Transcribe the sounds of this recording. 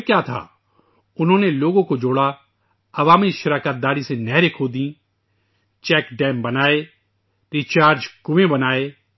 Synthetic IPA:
kjaːt̪ʰa̰ː | ʊnɦõːneloːɡõkod͡ʒoːɽa | ɐʋaːmiʃɐɾaːkət̪̚d̪aːɾisenɛɦɾekʰoːd̪ĩː | t͡ʃɛːkɖɛːmbɐnaːe | ɾit͡ʃaːɾd͡ʒkʊʋẽbɐnaːeː

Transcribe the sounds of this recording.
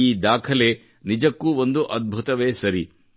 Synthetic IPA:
iːd̪aːkʰɐleː | nid͡ʒɐkːuːo̞nd̪uʔɐd̪̚bʱut̪ɐʋeːsɐɾi

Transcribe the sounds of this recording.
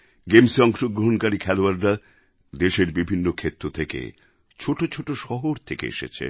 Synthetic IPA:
ɡemsɔŋʃoɡɾoɦonkaɾikʰɛloaɾɾa | d̪eʃeɾbibʱinːokʰet̪ːɾot̪ʰekḛ | t͡ɕʰoʈot͡ɕʰoʈoʃɔɦoɾt̪ʰekḛḛʃḛt͡ɕʰḛ

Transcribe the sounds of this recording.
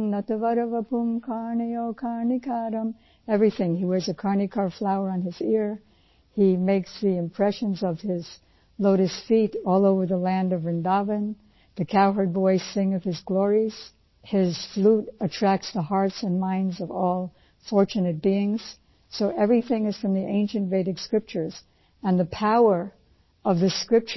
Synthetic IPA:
nʌtɨvʌɾəvəpʰũmkʰɑɹniokʰɑɹnikʰɑɾə̃m | ɛvɹiθɪ̃ŋiwɛɹzɨkʰɑɹnɨkʰɑɹflaʊə˞ə̃nɪzɪɹ | imeɪksðiɨ̃mpʰɹ̥ɛʃɨ̃nzʌv̥ɪz̥ | loʊɾɨstfiɾɔlˠoʊvə˞ðəlæ̃ndʌvːɨ̃ndɑvɨ̃n | ðɨkʰaʊɦə˞d̚bɔɪsɪ̃ŋʌv̥ɨzɡlɔɹiz̥ | ɪz̥fluɾɨtʰɹ̥æk̚tsðəɦɑɹtsɨ̃nmãɪ̃ndzʌvɔlˠ | fɔɹt͡ʃɨnɨt̚b̥iɪ̃ŋz̥ | soʊʔɛvɹiθɪ̃ŋɨz̥fɹʌ̃mðiʔẽɪ̃nʃɨ̃ntveɪɾɨɡ̥skɹɪp̚t͡ʃə˞z̥ | ɨ̃nðɨpʰaʊə˞ | ʌvðɨskɹɪp̚t͡ʃ

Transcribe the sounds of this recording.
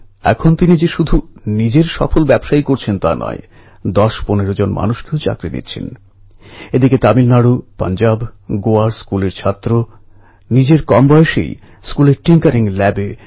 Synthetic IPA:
ɛ̰kʰont̪inid͡ʑeʃud̪ʱunid͡ʑeɾʃɔ̰folbɛbʃaikoɾt͡ɕʰent̪a̰nɔ̰e | d̪ɔʃponeɾod͡ʑonmʔa̰nuʃkewt͡ɕa̰kɾinḭtːt͡ɕʰḛn | ed̪iket̪amilnaɽupa̰nd͡ʑabɡoaɾskuleɾt͡ɕʰat̪ːɾo | nid͡ʑeɾkɔmbɔeʃḛj | skuleɾʈiŋkaɾiŋlɛbe

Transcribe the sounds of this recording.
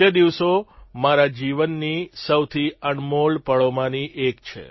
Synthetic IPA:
əd̪iʋsomaɾad͡ʒiʋənːisəwt̪ʰiəɳmolpəɭomãniʔekt͡ʃʰḛ

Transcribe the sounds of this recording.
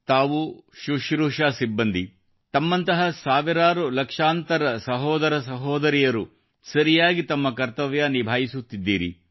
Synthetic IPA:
t̪aːʋuʃuʃɾuːʂaːsibːɐnd̪ʱi | t̪ɐmːɐnt̪ɐɦɐsaːʋiɾaːɾulɐkʂaːnt̪ɐɾɐsɐɦɔːd̪ɐɾɐsɐɦɔːd̪ɐɾijɐɾu | sɐɾijaːɡit̪ɐmːɐkɐɾt̪ɐʋjanibʱaːjisut̪ːid̪ːiːɾḭ

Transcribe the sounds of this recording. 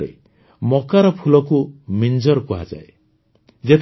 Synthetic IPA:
ḛ | mɔkaɾɔpʰulɔkumind͡ʒɔɾkuɦa̰d͡ʒa̰e | d͡ʒet̪ʰ

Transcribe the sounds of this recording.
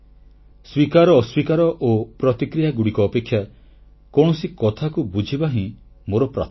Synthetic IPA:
swikaɾɔːswikaɾɔʔopɾɔt̪ikɾijaɡuɽikɔːpekʰːja | kɔɳ̃ɔsikɔt̪ʰakubud͡ʒʱibaɦĩ | moɾɔpɾa̰t̪

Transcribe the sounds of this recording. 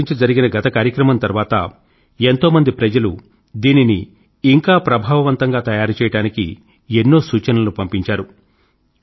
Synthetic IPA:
iɲt͡ʃid͡ʒɐɾiɡinɐɡɐt̪ɐkaːɾjɐkɾɐmɐnt̪ɐɾʋaːt̪ɐ̰ | e̞nt̪o̞ːmɐnd̪ipɾɐd͡ʒɐlu | d̪iːniniː | ŋkaːpɾɐbʱaːʋɐʋɐnt̪ɐŋɡaːt̪ɐjaːɾut͡ʃɛːjɐɽaːnikḭ | enːo̞ːsuːt͡ʃɐnɐlupɐmpiɲt͡ʃaːɾu

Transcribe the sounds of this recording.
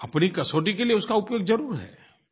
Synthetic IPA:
ɐpnikɐsoːʈikelieʊskaʊpjoːɡzɐɾuːɾɦɛ̰ː

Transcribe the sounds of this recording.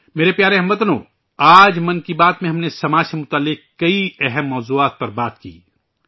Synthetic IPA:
meːɾepjaːɾeɦɐmʋɐt̪ənõ̰ː | aːd͡ʒmɐnkibaːt̪mẽɦɐmnesɐmaːd͡ʒsemʊt̪aːlːɪk̚kːɐiɛɦɛmːɔːzuːaːt̪̚pɐɾbaːt̪kḭː

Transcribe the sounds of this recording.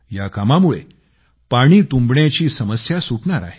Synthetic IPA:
jakamamuɭe | paɽ̃iːt̪ũmbɳjat͡ɕiːsəməsjasuʈɳaɾa̰ɦe

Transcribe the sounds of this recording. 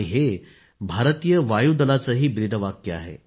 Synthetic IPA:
ɦe | bʱaɾət̪ijəʋajud̪əlat͡səɦiːbɾid̪ʱəʋakjəa̰ɦḛ

